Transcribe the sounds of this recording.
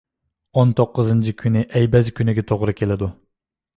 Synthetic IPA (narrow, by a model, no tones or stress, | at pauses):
ont̪ʰoqːɨzɨnt͡ʃʰikʲʰynɪʔɛjbɛzkʲynɪɡʲɛt̪ʰoʁɾɨkʲʰelɪd̪u